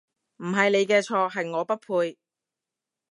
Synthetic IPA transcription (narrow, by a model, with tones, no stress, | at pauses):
m̩˨˩ɦɐ˨jne˨˧jkɛː˧t͡ʃʰɔː˧kɦɐ˨jŋɔː˨˧pɐ˥t̚pʰuː˧j